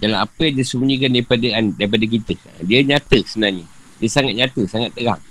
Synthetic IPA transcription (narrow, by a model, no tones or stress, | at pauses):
dalaapəjaŋdiəsəmuɲĩkandaɾipadaandaɾip̬adak̬it̪ə | diəɲat̪əsəənarɲə | diəsaŋat̪̚ɲat̪əsaŋat̪̚ːəɾa̰ŋ